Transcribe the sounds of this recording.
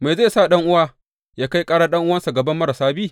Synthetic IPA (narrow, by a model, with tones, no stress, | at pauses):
ma˨za˦˨sa˦˨ɗɐ˦ŋʔʊ˦waː˦ | jaː˦ka˦jkʼaː˦ɽaː˦ɗɐ˦ŋʔʊ˦wɐ˦nsa˨ɡɐ˨bɐ˦mːɐ˦ɽɐ˨saː˦biː˦˨